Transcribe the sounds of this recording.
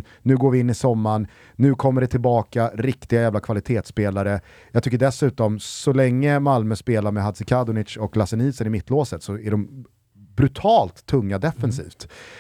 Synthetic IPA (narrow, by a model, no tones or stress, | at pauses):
nʉ̟ːɡoːɾvɪɪnːɪsɔmːaɳ | nʉ̟ːkʰɔmːəɖɛt̪ʰɪlbɑːkaɾɪkt̪ɪɡajæːvlakʰvalɪt̪ʰeːt̪speːlaɾə | jɑːɡt̪ʏkːəɖɛsʉ̟ːt̪ɔmsɔlɛŋːəmalmœspeːlaɾmɛɦad̪sɪkʰad̪ʊnɪt̪ʂɔklasɛniːsənɪmɪt̪ːloːsət̪sɔæɖɔm | bɾɵt̪ʰɑːlt̪ʰːɵŋːad̪ɛfːɛnsḭːft̪